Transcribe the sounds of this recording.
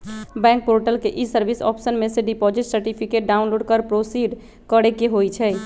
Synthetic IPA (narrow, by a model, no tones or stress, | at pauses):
bɛ̃ŋk̚poɾʈəlkeʔisəɾbisɔ̰ːpsənmeseɖipɔd͡ʒiʈsəɾʈipʰikeʈ̚ɖaunloːɖkəɾpɾosiɖ | kəɽekeɦojt͡ʃʰɛ